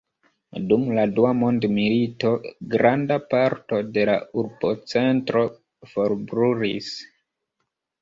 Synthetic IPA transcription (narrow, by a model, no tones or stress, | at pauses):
dumladuamo̞ndmilito̞ɡɾandapaɾto̞de̞la̰uɾbo̞t͡se̞ntɾo̞ | fo̞ɾbɾuɾḭs